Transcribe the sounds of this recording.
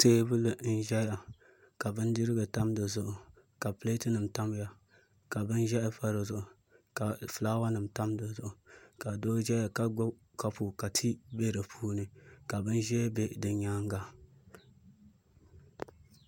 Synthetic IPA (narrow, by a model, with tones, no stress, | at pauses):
teː˦bɨ˦lɨ˨n̩˦ʒɛ˦ja˨ | ka˨bɨ˦n˦dɨ˦ɾɨ˦ɡɨ˨ta˦mdɨ˨zʊ˨ʔʊ˨ | ka˨ple˦tɨ˦nɨ˨mta˦m˦ja˨ | ka˨bɨ˦nʒɛ˦ʔɪ˦fa˦ɾɨ˨zʊ˨ʔʊ˨ | ka˨flaː˦wa˦nɨ˨m˨ta˦mdɨ˨zʊ˨ʔʊ˨ka˨do˦ʒɛ˦ja˨ka˦ɡ | ka˦pʰu˨ka˨tʰi˦be˦ɾɨ˨pʰuː˦nɨ˦ka˨bɨ˦nʒɛ˦be˦dɨ˨ɲa˦ŋ˦ɡa˦